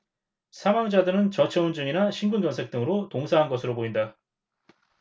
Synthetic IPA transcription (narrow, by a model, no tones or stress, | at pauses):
sʰamaŋd͡ʑadɯɾɯnt͡ɕʌt͡ɕʰʌund͡ʑɯŋinaɕʰinɡund͡ʑʌnsʰe̞k̚t͈ɯŋɯɾotoŋsʰaɦanɡʌsʰɯɾopoinda